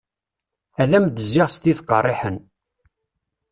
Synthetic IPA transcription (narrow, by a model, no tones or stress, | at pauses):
ælæmd̪əzːɪʁst̪iθqːə̰rˤːɪħən